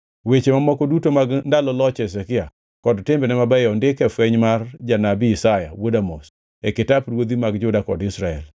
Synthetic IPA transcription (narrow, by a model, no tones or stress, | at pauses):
wet͡ʃemamɔkɔdutomaɡndalɔlɔt͡ʃɛs̬ɛkɪa | kɔdtembenɛmabajɔndɪkɛfwɛɲmard͡ʒanabiɪsajawodamos | ɛkɪtapɾwod̪imaɡd͡ʒʊdakɔdɪsɾaɛ̰l